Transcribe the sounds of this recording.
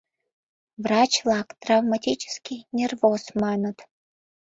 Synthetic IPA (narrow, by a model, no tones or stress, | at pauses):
vrɑt͡ɕlˠɑkt̪ravmatʲit͡ɕə̥skʲinʲervoz̥mɑnət̪